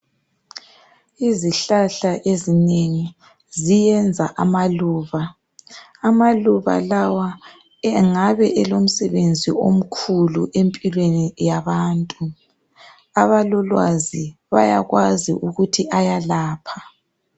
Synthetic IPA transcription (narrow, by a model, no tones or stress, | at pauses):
iziɬaɬaʔezineŋi | zijɛnd͡zʱa̰ʔamaluːβaː | maluβa̰lawa | ɛŋaβɛʔɛlom̩sɛβend͡zʱḭʔom̩kʰulṵʔempʼilwenijaβaːntʼu | aβalɔlwa̰ziβa̰ja̰ɣwazḭʔuɣutʰiʔajalaːpʰḁ